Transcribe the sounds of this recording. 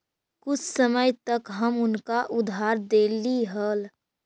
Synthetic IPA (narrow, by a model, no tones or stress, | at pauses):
kʊt͡ʃʰsəməjt̪əkɦəmʊnkaʔʊd̪ʱaːɾd̪eːliɦəl